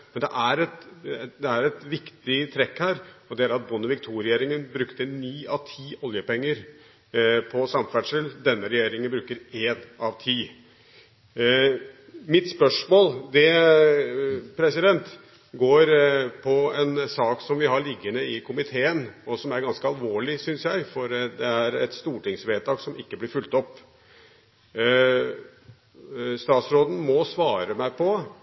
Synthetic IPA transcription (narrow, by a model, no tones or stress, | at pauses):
mɛnd̪ɛʔæɾɛt̪d̪ɛæɾɛt̪ʋɪkt̪ɪt̪ʰɾɛkhæːɾɔd̪ɛæɾɑt̪̚bʊnːəʋɪkt̪ʰuːɾɪjeːɾɪŋənbɾʉkt̪ənyːɑʋt̪ʰiːʔɔljəpɛŋːəɾ | pʰɔsɑmfæʈʂəld̪ɛnːəɾɛjeːɾɪŋənbɾʉːkːəɾeːnɑʋt̪ʰiː | mɪt̪spœʂmoːld̪ɛ | pʰɾɛsɪd̪ɛnt̪ | ɡoːɾpʰɔɛnsɑːksɔmʋɪɦɑɭɪɡːənəɪkʰʊmɪt̪ʰeːənɔsɔmæɾɡɑnskəɑlʋoːɭɪsʏnsjæɪfɔɾd̪ɛæɾɛt̪st̪uːʈɪŋsʋeːt̪ɑːksɔmɪkːəblɪɾfʉlt̪ɔpː | st̪ɑːt̪sɾoːd̪n̩mɔsʋɑːɾəmæɪpʰɔ